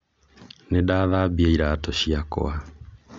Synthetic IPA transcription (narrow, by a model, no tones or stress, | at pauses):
nedaðaːbiaiɾaːtɔɕiakɔ̰a